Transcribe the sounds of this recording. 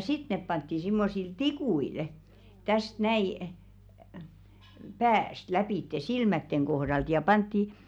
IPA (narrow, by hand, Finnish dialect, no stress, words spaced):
sit nep pɑntːi simːosil tikuil tæst næi pæːst læpiˑtːe silmætːeŋ kohɾɑlt jɑ pɑntːi